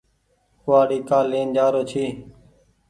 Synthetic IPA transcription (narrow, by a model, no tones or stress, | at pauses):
kʊaːɽiːkaːlẽːnd͡ʒaːɾoːt͡ʃʰiː